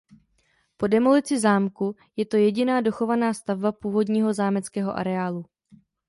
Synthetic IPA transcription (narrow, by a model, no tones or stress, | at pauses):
po̞dɛmolɪt͡sɪzaːmku | jɛt̪o̞jɛɟɪnaːdo̞xo̞vanaːst̪avbapuːvo̞dɲiːɦo̞zaːmɛt͡skɛːɦo̞̰ʔa̰ɾɛaːlu